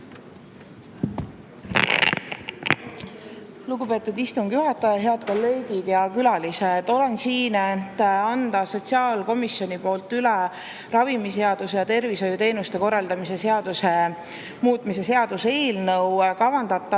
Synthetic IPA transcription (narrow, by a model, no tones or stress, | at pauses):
luɡupe̞ːt̪ːˑud̪ist̪uŋɡ̥juɦɑt̪ːˑɑjɑɦe̞ɑd̪̚ko̞lːe̞ːɡ̥id̪̥jɑkylɑlised̪̥o̞le̞nsiːnet̪ːɑnd̪̥ɑso̞t̪ʲsiɑːlko̞misjo̞nipo̞ːlt̪ːˑyle | rɑvimise̞ɑd̪̥usejɑt̪e̞rviso̞jut̪e̞ːnust̪e̞ko̞rːɑld̪ɑmise̞se̞ɑd̪̥use̞ | muːt̪ˑmise̞se̞ɑd̪̥use̞ːlnɤwkɑvɑnd̪̥ɑt̪ˑːɑ